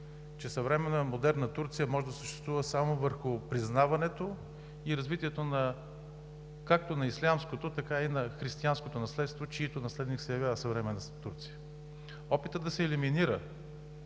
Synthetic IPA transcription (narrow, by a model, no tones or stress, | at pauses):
t͡ʃɛsɐvɾɛmɛnəmod̪ɛɾnət̪uɾt̪sijəmɔʒɛd̪ɐsəʃt̪ɛ̥st̪vuvəsamovəɾxʊpɾiznavɐnɛt̪o | iɾɐzvit̪iɛt̪onɐ | kak̚t̪onɐislʲamskot̪ot̪ɐkainɐxɾist̪ianskot̪onɐslɛt̪st̪vot͡ʃiit̪onɐslɛd̪niksɛjɐvʲjavəsɐvɾɛmɛnət̪uɾt̪si̥jə | ɔpit̪əd̪ɐsɛːliminiɾə